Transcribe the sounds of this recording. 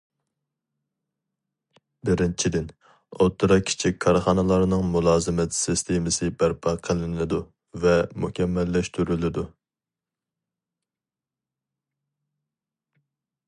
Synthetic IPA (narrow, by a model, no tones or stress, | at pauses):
bɪɾɪnt͡ʃʰid̪ɪn | ot̪ʰːɨɾɑkʲʰi̥t͡ʃʰikʲkʰːɑɾχɑnɨlˠɑɾnɨŋmulˠɑːzɨmɛt̪sɪst̪ʰemɪsɨbæɾpʰɑqʰəlˠɪnɪd̪u | vɛmukʲʰɛmːɛlːɛʃt̪ʰyɾylɪd̪u